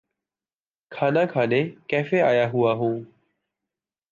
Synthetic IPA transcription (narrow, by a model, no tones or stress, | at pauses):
kʰaːnãːkʰaːneːkɛːfeːaːjaːɦʊaːɦũː